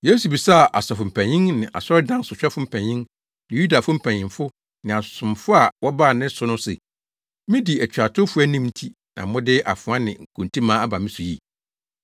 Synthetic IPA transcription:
je˦su˨bi˨sa˦˨ʔa˨sɔ˨fʊ˨m̩˨pʰæ̃˨ɲɪ̃˦ŋnɪ̃˨ʔa̰˨sɔ˦ɾɪ˦dã˦sʊ˨ɕᶣɛ˦fʊ˦m̩˨pʰæ̃˨ɲɪ̃˦ŋ | nɪ̃˨ju˦da˨fʊ˦m̩˦˨pʰæ̃˨ɲɪ̃˨fʊ˦ | nɪ̃˨a˨sʊ̃˨mfʊ˦a˨wɔ˦ba˦˨nɪ̃˦sʊ˦nʊ̃˦sɛ̰˨ | mɪ̃˦di˨æ˨t͡ɕᶣa˨tʰʊ˦fʊ˦æ˦nĩ˦mn̩˦tʰi˦ | nã̰˨mʊ̃˦dɪ˦ʔa̰˨fʊ̃˨a˦nɪ̃˨ŋ̩˨kʰũ˨n˨tʰĩ˦mãː˦a˦ba˨mɪ̃˦sʊ˨jḭ˦

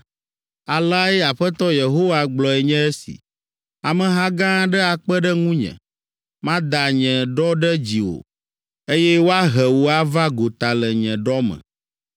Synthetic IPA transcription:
a˨la˦ɛ˦a˨ɸɛ˦t̪ɔ˦je˨ɦo˦wa˦ɡ͡blɔ˨ɛ˨ɲɛ̃˦ɛ˦sḭ˨ | a˨mɛ̃˨ɦã˦ɡã˦ɖɛ˦a˨k͡pɛ˦ɖɛ˦ŋũ˦ɲɛ̰̃˨ | mã˦d̪a˨ɲɛ̃˨ɖɔ˦ɖɛ˦d͡ʑi˨wo̰˨ | e˦jɛ˦wo˦a˦ɦɛ˨wo˨a˦va˦ɡo˨t̪a˨lɛ˨ɲɛ̃˨ɖɔ˦mɛ̰̃˨

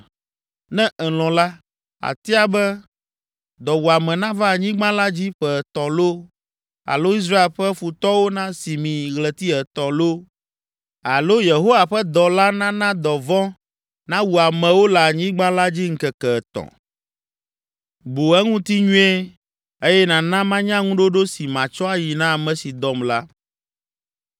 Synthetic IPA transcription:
nɛ̃˦ʔɛ˨l̃ɔ̃˨la˦ | a̰˨t̪i˦a˦bɛ˦ | d̪ɔ˨wu˨a˨mɛ̃˨nã˦va˦˨ɲĩ˦ɡ͡bã˦la˦d͡ʑi˦ɸɛ˨t̪ɔ̃˨lo˦ | a̰˨lo˦i˦s̬ɾa˦e˨lɸɛ˦fu˨t̪ɔ˦wo˦nã˦si˨mĩ˨ɣlɛ˨t̪i˦ɛ˨t̪ɔ̃˨lo˦ | a˨lo˦je˨ɦo˦wa˨ɸɛ˦d̪ɔ˨la˦nã˦nã˦d̪ɔ˨vɔ̃˦ | nã˦wu˨a˨mɛ̃˨wo˦la˨ɲĩ˦ɡ͡bã˦la˦d͡ʑi˦ŋ̩˦kɛ˨kɛ˨t̪ɔ̰̃˨ | bu˨ɛ˦ŋũ˦t̪i˦ɲũ˦e˦ | e˦jɛ˦nã˨nã˦mã˦ɲã˦ŋũ˦ɖo˦ɖo˦si˨mã˨t͡ʃɔ˦a˨ji˨nã˦a˨mɛ̃˨si˨d̪ɔ˨mla˦

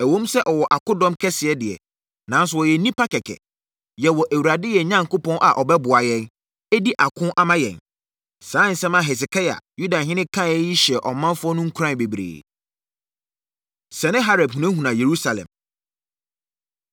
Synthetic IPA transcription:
æ˨wõ˦msɛ˦ʔɔ˨wɔ˨ʔa˨kʊ̃˦dɔ̃˦mkʰɛ˦sɪ˨ɛ˦dɪ˨ɛ̰˨ | nã˨n˦s̬ʊ˦ɔ˨jɛ˨nĩ˦pa˦kɛ˨kʰɛ̰˨ | jɛ˨wɔ˨ʔæ˨wu˨ɾa˨dɪ˦jɛ˨ɲã˦ŋkʊ˦pɔ̃˦nʔa˨ʔɔ˨bɛ˦bʊ˨a˨jɛ̃˦n | æ˦di˦ʔa˨kʰʊ̃˦nʔa˦mã˦jɛ̰̃˨n | sãː˨˦n̩˨sɛ̃˦mã˨ɦɛ˨s̬ɪ˨kʰa˦ja̰˨ju˦da˨ɦɪ̃˦nɪ̃˦kʰã˦˨jɛ˦ji˦ɕɛ˨ʔɔ˨mã˦nfʊ˦ɔ˦nʊ̃˦ŋ̩˦kʰɾã˦˨n˨be˨bɾḛː˨ | sɛ˨nɪ̃˦ɦa˦ɾɛ˨bhũ˨nɛ̃˦ɦũ˨nã˨je˨ɾu˦sa˨lɛ̰̃˨m

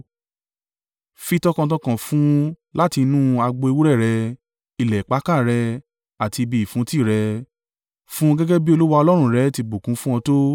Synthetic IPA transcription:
fi˧tɔ˧kã˧t̬ɔ̃˧kã˨fũ˦ | la˦ti˧nũ˦a˧ɡ͡bo˧e˧wu˦ɾɛ˦˨ɾɛ˧ | i˧˨lɛ˨k͡pa˨˦ka˦˨ɾɛ˧ | a˨ti˧bi˧˨fũ˨˦ti˦˨ɾɛ˧ | fũ˦˧ɡɛ˦ɡɛ˦bi˦o˧lu˦wa˧ɔ˧lɔ˦ɾ̃ũ˦˨ɾɛ˨˦ti˧ɡ͡bo˨kũ˨˦fũ˦w̃ɔ̃˧to˦

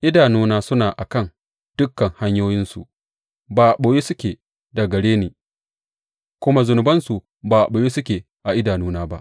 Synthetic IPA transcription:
ʔɪ˦daː˨nuː˦naː˦sʊ˦naː˨ʔa˨kɐ˦˨ŋ | d̥ʊ˦kːɐ˨ŋha˦ɲjoː˦jɪ˦nsṵ˨ʔ | baː˨ʔɓoː˨jeː˦sʊ˦kʲeː˨ | da˨ɡɐ˨ɽeː˦neː˨ | kʷʊ˦ma˦zʊ˨nʊ˨bɐ˦nsu˨ | baː˨ɓo˨jeː˦sʊ˦kʲeː˨ | ʔa˨ʔɪ˦daː˨nuː˦naː˦ba̰˦ʔ

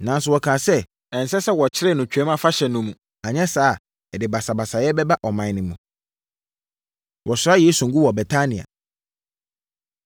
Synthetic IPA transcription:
nã˨n˦sʊ˦wɔ˨kʰãː˨sɛ˦ | ɛ̃˨n̩˨sɛ˦sɛ˦wɔ˨t͡ɕʰɪ˦ɾɛ˦˨nʊ̃˨t͡ɕᶣɛ˦mã˨fa˦ɕɛ˨nʊ̃˦mũ˨ | a˨ɲɛ̃˦saː˨˦˨ | ɛ˨dɪ˨ba˨sa˨ba˨sa˨jɛ˦bɛ˦ba˦ʔɔ˨mã˨nɪ̃˨mũ˨ | wʔɔ˨sʊ˨a˦jɛ˨˦sũ˨ŋ̩˨ɡu˦wɔ˨bɛ˨tʰa˦nɪ̃˨a̰˨

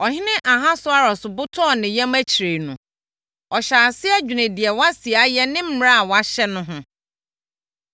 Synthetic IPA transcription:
ɔ˨ɦɪ̃˦nɪ̃˦ʔa˨ɦa˦sʊ˦a˦ɾɔ˨sʊ˨bʊ˦tʰɔ˦˨nɪ̃˨jɛ̃˦mæ˦t͡ɕʰi˨ɾe˨nũ˨ | ɔ˨ɕaː˨sɪ˦æ˦d͡ʑᶣu˨nɪ̃˨dɪ˨ɛ˨wa˦si˨a˨˦jɛ˦nɪ̃˦m̩˦m˦ã˦a˨wa˦ɕɛ˦nʊ̃˦ɦʊ̃˦

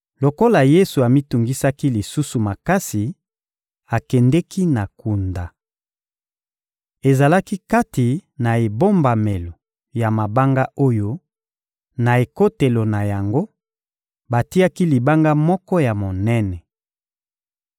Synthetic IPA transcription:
lo˨ko˦la˨je˦su˨a˨mi˦tu˨ŋɡi˦sa˦ki˦li˨su˦su˨ma˨ka˦si˨ | a˨kɛ˨ndɛ˦kʰi˦na˨ku˨nda˨ | e˨za˨la˦ki˦ka˦ti˨na˨e˨bo˦mba˨me˨lo˨ | ja˨ma˨ba˦ŋɡa˦ʔo˦jo˦ | na˨e˨ko˦te˨lo˨na˨ja˨ŋɡo˦ | ba˨ti˦a˦ki˦li˨ba˦ŋɡa˦mɔ˦kɔ˦ja˨mo˨nɛ˦nɛ˨

